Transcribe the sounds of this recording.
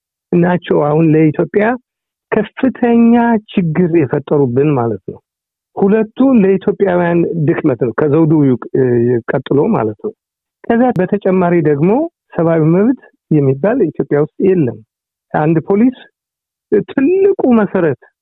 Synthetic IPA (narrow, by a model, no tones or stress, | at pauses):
ʔɨnːat͡ʃːɛwahunləit̪ʰjo̞pʼja | kʰəfɨt̪ʰəɲːat͡ʃɪɡːɨɾjɛfət̪ʼːəɾubːɨnmalət̪nəw | hulət̪ʰːuləit̪ʰjo̞pʼːjawijand̪ɨkʼmət̪nəwkʰəzəwd̪uwj | kʼːət̪ʼːɨlo̞ma̰lət̪nəw | kʰəzːabət̪ʰət͡ʃʼɛmːaɾid̪əɡmo̞ | səβawiməβt̪ | jɛmːibːalit̪ʰjopʼjawʊst̪ʼjɛlːəm | kʰand̪pʰo̞lis | t̪ʰɨlːɨkʼuməsəɾət̪